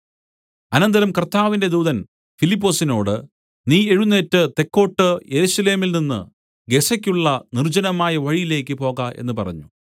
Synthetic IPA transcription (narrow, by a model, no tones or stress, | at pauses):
ɐnɐnd̪ɐɾɐmkɐrt̪aːʋinde̞d̪uːðɐn | filip̬ːo̞ːsino̞ːɽɨ | niːe̞ɻunːe̞ːtːɨt̪e̞kːo̞ːʈːɨje̞ɾusɐle̞ːmilninːɨ̰ | ɡe̞sɐkʲːuɭːɐnird͡ʑɐnɐmaːjɐʋɐɻijile̞ːkʲːɨpo̞ːɣɐʔe̞̰nːɨpɐrɐ̰ɲːu